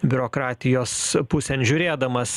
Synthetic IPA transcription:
bʲʊɾoːkɾɑːt̪ʲɪjoːspʊsʲɛnʒʲʊɾʲeːd̪ɐmɐs

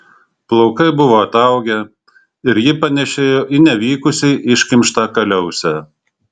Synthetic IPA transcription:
plˠɔʊkɐɪbʊʋoːɐt̪ɐˑʊɡʲɛ | ɪɾjɪpɐnʲɛʃʲeːjoːʔɪnʲɛʋʲiːkʊsʲɛɪʔɪʃʲkʲɪmʲʃt̪ɑːkɐlʲɛʊsʲɛ

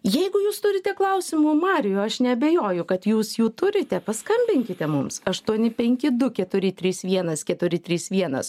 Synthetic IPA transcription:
jɛɪɡʊjuːst̪ʊɾʲɪt̪ʲɛklˠɐʊsʲɪmʊmɑːɾʲɪjʊɐʃnʲɛɐbʲɛjoːjʊkɐt̪juːsjuːt̪ʊɾʲɪt̪ʲɛpɐskɐmʲbʲɪŋʲkʲɪt̪ʲɛmʊmsɐʃt̪uɔnʲɪpʲɛŋʲkʲɪd̪ʊkʲɛt̪ʊɾʲɪt̪ʲɾʲiːsʋʲiɛnɐskʲɛt̪ʊɾʲɪt̪ʲɾʲiːsʋʲiɛnɐ̰s

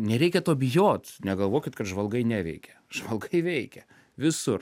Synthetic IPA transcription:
nʲɛɾʲɛɪkʲɛt̪oːbʲɪjoːt̪nʲɛɡɐlˠʋoːkʲɪt̪kɐt̪ʒʋɐlˠɡɐɪnʲæːʋʲɛ̰ɪkʲɛ | ʒ̥ʋɐlˠɡɐɪʋʲɛɪkʲɛ | ʋʲɪsʊr

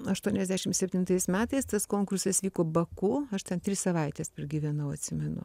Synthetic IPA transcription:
ɐʃt̪uɔnʲɛzd̪ʲæːʃʲɪmsʲɛpʲt̪ʲɪnt̪ɐɪsmʲæːt̪ɐɪst̪ɐskoːŋkʊrsɐsʋʲiːkoːbɐkuːɐʃt̪ʲɛnt̪ʲɾʲɪsɐʋɐɪt̪ʲɛspʲɛrɡʲiʋʲɛnɐʊɐt̪ʲsʲɪmʲɛnʊ̰

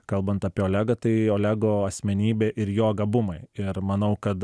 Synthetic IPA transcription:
kɐlˠbɐnt̪ɐːpʲiːoːlʲæːɡɐt̪ɐɪoːlʲæːɡoːɐsʲmʲɛnʲiːbʲeːʔɪɾjoːɡɐbʊmɐɪɪɾmɐnɐʊkɐt̪

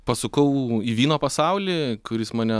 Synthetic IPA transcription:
pɐsʊkɐʊiːʋʲiːnoːpɐsɑˑʊlʲiːkʊɾʲɪsmɐːnʲɛ

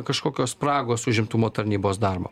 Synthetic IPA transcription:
kɐʃkoːkʲoːspɾɑːɡoːsʊʒʲɪmt̪ʊmoːt̪ɐɾʲnʲiːboːsd̪ɑːɾbo̰ː

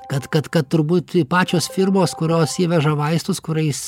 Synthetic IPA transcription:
kɐt̪kɐt̪kɐt̪t̪ʊɾbuːt̪pɑːt͡ʃʲoːsfʲɪɾmoːskʊɾʲoːsiːʋʲɛʒɐʋɐɪst̪ʊskʊɾʲɛɪs

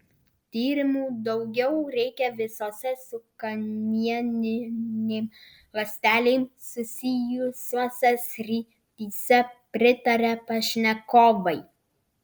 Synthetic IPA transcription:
t̪ʲiːɾʲɪmuːd̪ɒʊɡʲɛʊɾʲɛɪkʲɛʋʲɪsoːsʲɛsʊkɐnʲiɛnʲɪnʲeːm | lˠɐsʲt̪ʲæːlʲeːmsʊsʲɪjʊsʲosʲɛsʲɾʲi | t̪ʲiːsʲɛpʲɾʲɪt̪ɐɾʲɛpɐʃʲnʲɛkoːbɐɪ

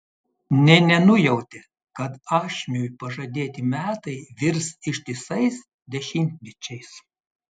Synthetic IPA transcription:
nʲɛnʲɛnʊjɛʊt̪ʲɛ | kɐt̪ɑːʃʲmʲujpɐʒɐd̪ʲeːt̪ʲɪmʲæːt̪ɐɪʋʲɪɾsɪʃʲt̪ʲɪsɐɪs | d̪ʲɛʃʲɪmʲt̪ʲnʲɛt͡ʃʲɛɪs

